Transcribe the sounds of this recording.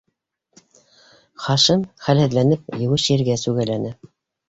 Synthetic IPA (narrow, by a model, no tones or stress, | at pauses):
χɑʃɤmχælhɘ̆ðlænɘp̚jɤ̆wɘʃĭɾɡæsʉɡælænɘ